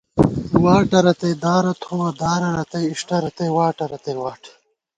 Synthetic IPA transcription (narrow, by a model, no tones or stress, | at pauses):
waːʈɐɾɐt̪ɐjd̪aːɾɐt̪ʰoːɐd̪aːɾɐɾɐt̪ɐjiʂʈɐɾɐt̪ejwaːʈɐɾɐt̪ɐjwaːʈʰ